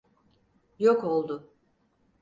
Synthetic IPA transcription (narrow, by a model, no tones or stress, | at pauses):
joko̞lˠd̪ʊ